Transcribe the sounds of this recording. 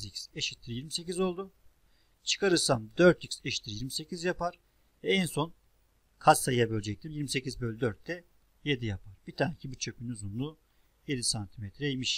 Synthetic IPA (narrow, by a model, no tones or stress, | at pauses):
zicseʃit̪ʰːiɾijiɾmise̞cizo̞lˠd̪ʊ | t͡ʃʰɯ̥kʰaɾɯɾsand̪øɾt̪ʰicseʃi̥t̪ʰːiɾijiɾmise̞cʰizjapaɾ̥ | ɛɛnso̞n | kʰasajjabølʲd͡ʒɛc̚t̪ʰimjiɾmise̞cizbøjlʲid̪øɾt̪ʰːɛ | jed̪ijapʰaɾbit̪ʰaːnɛcʰibit͡ʃʰø̞pʲʰynuzunlˠu | je̞d̪isant̪ʰimet̪ʰɾɛjimiʃ